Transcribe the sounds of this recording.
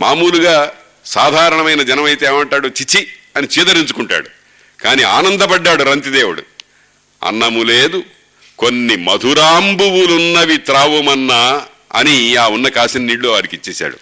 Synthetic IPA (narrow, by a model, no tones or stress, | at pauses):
maːmuːluɡaː | saːd̪ʱaːɾɐɳɐmɐjnɐd͡ʒɐnɐmɐjt̪eːmɐɳʈaːɽut͡ʃit͡ʃːiɐnit͡ʃiːd̪ɐɾiɲt͡ʃu̥kuɳʈa̰ːɽu | kaːniːa̰ːnɐnd̪ɐpɐɖːaːɽuɾɐnt̪id̪eːʋuɽṵ | ɐ̰nːɐmuleːd̪u | ko̞nːimɐd̪ʱuɾaːmbuwulunːɐʋit̪ɾaːʋumɐnːɐ | ɐ̰niaːunːɐkaːsinɐniːɽloːʋaːɾikit͡ʃːeːsa̰ːɽṵ